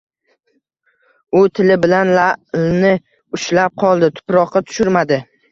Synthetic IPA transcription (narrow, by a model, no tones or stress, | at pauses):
ʊt̪ʰɪlɪbɪlanlalnɪ | ʊʃlap̚qʰɒlˠd̪ɪt̪ʰʊ̥pɾɒqʰːɑt̪ʰʊ̥ʃʊɾmad̪ɪ